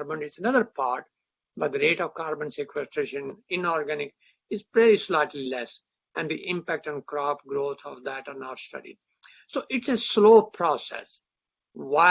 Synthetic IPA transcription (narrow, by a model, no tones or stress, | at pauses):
ɾbə̃nɪzənʌd̪əɾpaːɾʈ̚ | bʌʈ̚d̪əɾeːʈɔʋkaːɾbə̃nsekwɛsʈɾeːʃə̃nɪ̃nɔːɾɡænɪk | ɪzɾɛɾislaɪʈlilɛs | ɛ̃nd̪iʔɪ̃mpæk̚ʈɛ̃nɖkɾɔpɡɾoːt̪ʰɔ̰ʋd̪æʈanaʈsʈʌ̰ɖḭ | soːʔɪʈsesloːpʰɾɔːsɛ̰s | ʋa